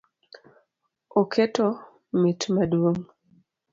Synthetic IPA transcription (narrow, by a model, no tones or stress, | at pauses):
okʰeto | mitmadwoŋ